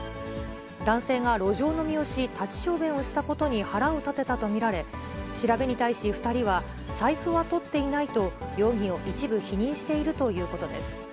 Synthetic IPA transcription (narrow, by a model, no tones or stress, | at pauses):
d̪ãɰ̃se̞ːɡaɾo̞ʑo̞ːno̞mʲio̞ɕit̪at͡ɕi̥ɕo̞ːbẽ̞ɰ̃o̞ɕi̥t̪ako̞t̪o̞ɲ̟ihaɾaot̪at̪e̞t̪at̪o̞mʲiɾaɾe̞ɕiɾabe̞ɲ̟it̪aiɕiɸɯ̟̥t̪aɾʲiβ̞a | saiɸɯβat̪o̞t̪ːe̞inait̪o̞jo̞ːɡʲĩo̞ʔit͡ɕibɯ̟çiɲ̟ĩɰ̃ɕi̥t̪e̞iɾɯ̟t̪o̞jɯ̟ːko̞t̪o̞d̪e̞̰sɨ̥